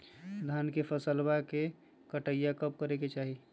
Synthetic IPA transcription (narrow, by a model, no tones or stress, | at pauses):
d̪ʱaːnkepʰəsəlbake | kəʈəjakəp̚kəɾeket͡ʃaːɦi